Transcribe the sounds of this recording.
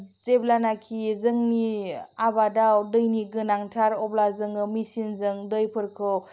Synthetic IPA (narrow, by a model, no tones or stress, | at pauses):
zeblanakʰizɯŋniabadawdɯjniɡɯnaŋtʰaɾɔblazɯŋɯmisinzɯŋdɯjpʰɯɾkʰɯw